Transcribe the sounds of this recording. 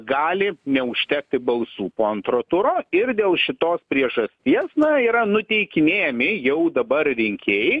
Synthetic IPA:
ɡɑːlʲɪnʲɛʊʃʲt̪ʲɛːk̚t̪ʲɪbɐlˠsuːpoːɐnt̪ɾoːt̪ʊɾoːɪɾd̪ʲeːlˠʃʲɪt̪oːspʲɾʲiɛʒɐsʲt̪ʲiɛsnɐiːɾɐnʊt̪ʲɛɪkʲɪnʲeːjɛmʲɪjɛʊd̪ɐbɐrrʲɪŋʲkʲʰeːjɛ

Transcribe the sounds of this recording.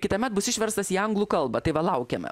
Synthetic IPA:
kʲɪt̪ɐmʲɛt̪̚bʊsɪʃʲʋʲɛɾst̪ɐsiːɐŋɡlˠuːkɐlˠbɐt̪ɐɪʋɐlˠɐʊkʲɛmʲɛ̰

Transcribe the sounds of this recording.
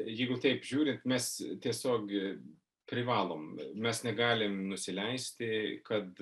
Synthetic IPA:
jɛɪɡʊt̪ɛɪpʒʲuːɾʲɪnt̪mʲɛst̪ʲiɛsʲoːk | pʲɾʲɪʋɑːlˠoːmmʲɛsnʲɛɡɑːlʲɪmnʊsʲɪlʲɛɪsʲt̪ʲɪkɐt̪

